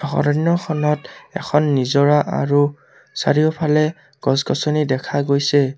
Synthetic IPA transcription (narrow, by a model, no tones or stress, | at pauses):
xɔ̰ɾɔnjɔxʰɔnɔtɛ̰kʰɔnːizɔɹaʔa̰ɹu | sa̰ɹiɔpʰalɛ | ɡ̥ɔsɡɔsɔnidɛkʰaɡojsɛ